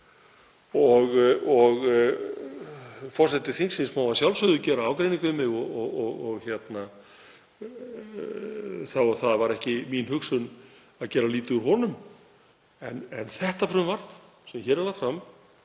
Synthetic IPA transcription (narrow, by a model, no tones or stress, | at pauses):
ɔɣɔɣ | fɔr̥sɛt̪ɪθiŋsɪnsmaːwvasjawlsʏðʏcɛːɾaaːwkɾejniŋkʏmɪɣɔɔɣɔɣɔɣçjɛt̪na | θawaθaðvaɾɛhcɪminhʏksʏn | aðcɛːɾaliːt̪ʏʏɾɦɔnʏm | ɛnɛnθɛht̪afɾʏnvaɾt̪ | sɛmçɛːɾɛlafɾam